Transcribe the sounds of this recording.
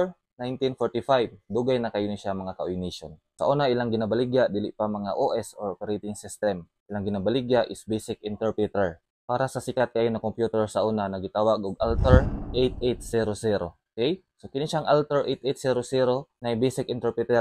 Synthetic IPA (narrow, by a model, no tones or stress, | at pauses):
najnt̪ɪnfoɹt̪ɪfajb̚d̪uːɡajnɐkɐjʊnɐʃamɐŋakɐʔojniːʃon | sɐ̰ʔoːnaʔɪlaŋɡɪnabɐlɪɡad̪iːlɪʔpamɐŋa̰ʔoʔɛsoɹʔopɛɾejt̪ɪŋsɪst̪ɛm | ʔɪlaŋɡɪnabɐliɡaʔɪsbejsɪkɪnt̪ɛɹpɹɪt̪ɛɹ | paːɾɐsɐsɪkat̪̚kaʔjonɐkompjuːt̪ɛɹsɐʔoːnanɐɡɪt̪aːwaɡʔoɡ̚ʔalt̪ɛɹʔejt̪̚ʔejt̪siɾosɛɾo̞ʔkɛj | sokɪniʃaŋʔalt̪ɛɹʔejt̪ʔejt̪̚siɾosiɾo̞nɐjbejsɪkʔɪnt̪ɛɹpɪt̪ɛ